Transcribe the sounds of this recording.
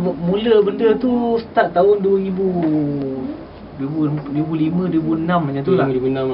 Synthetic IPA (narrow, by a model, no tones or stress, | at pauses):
muləbəndət̪usə̥t̪aʔt̪aɦʊnduəɾibu | dibudibulimə̃duəbuənãmaɲãt̪ulauna